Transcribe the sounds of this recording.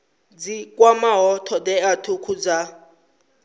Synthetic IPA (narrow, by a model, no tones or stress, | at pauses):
d͡zikʼwamaɦɔtʰɔdɛatʰukʰud͡za